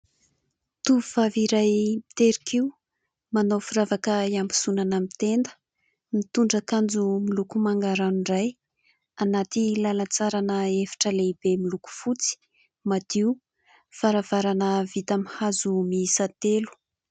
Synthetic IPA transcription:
t̪uvvaviɾajmit̪eɾikiu | manofuɾavakəambu̥sunanəmit̪end̪ə̥ | mit̪uɳɖ͡ʐakand͡zumilukumaŋɡaɾanuiɖ͡ʐaj | anat̪ilalat͡saɾanəefḁʈ͡ʂəleib̥emiluku̥fut͡si̥ | mad̪̥iu | faɾavaɾanəvit̪amihazumisat̪elu̥

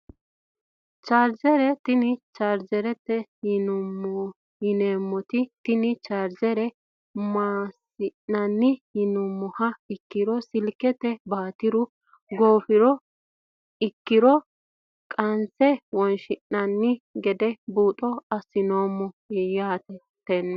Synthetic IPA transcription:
t͡ʃaːɾd͡ʒɛɾɛt̪ɪnɪt͡ʃaːɾd͡ʒɛɾɛt̪ːɛhɪnʊmːɔ | hɪneːmːɔt̪ɪt̪ɪnɪt͡ʃaːɾd͡ʒɛɾɛ | maːsɪnːɐnːɪhɪnʊmːɔhɐɪkːɪɾɔsɪlkɛt̪ːɛbaːt̪ɪɾʊ | ɡoːfɪɾɔ | ɪkːɪɾɔ | kʼɐnsɛwɔnʃɪnːɐnːɪɡɛd̪ɛbuːt̪ʼɔɐsɪnoːmːɔjaːt̪ɛ | t̪ːɛnː

